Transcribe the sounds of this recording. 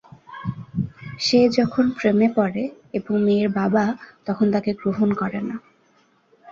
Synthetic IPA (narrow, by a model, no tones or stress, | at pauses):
ʃed͡ʑɔkʰonpɾemepɔɾe | eboŋmeːɾbabat̪ɔkʰont̪akeɡɾoɦonkɔɾena